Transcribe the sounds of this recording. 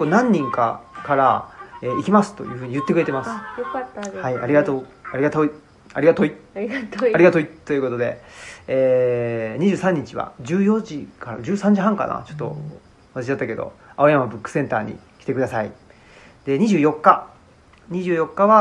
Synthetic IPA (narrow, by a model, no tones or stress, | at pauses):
kːonãɲ̟ːĩŋka̰kaɾaeːikʲimasɨ̥t̪o̞̰jɯ̟ːɸɯ̟ːɲ̟ijɯ̟t̪ːekɯ̟ɾe̞t̪emasɨ̥ | haiaɾʲiɡat̪oːaɾiɡat̪oi | aɾʲiat̪oi | aɾʲiɡat̪o̞it̪ːo̞jiɯ̟ko̞t̪o̞d̪e̞̰eːɲ̟iʑɨːsãɲ̟ːit͡ɕiβa̰d͡ʑɨːjo̞ʑikaɾa̰d͡ʑɨːsãɲ̟d͡ʑiɦãŋka̰na̰t͡ɕo̞̥t̪ːo̞̰ | at̪aɕid̪at̪ːake̞d̪o̞̰aojamabɯ̟kːɯ̥sẽ̞nt̪a̰ːɲ̟ḭ | kʲi̥t̪e̞kɯd̪asaḭ | d̪̥e̞ɲ̟iʑɨːjo̞kːa | ɲ̟iʑɨːjo̞kːaβa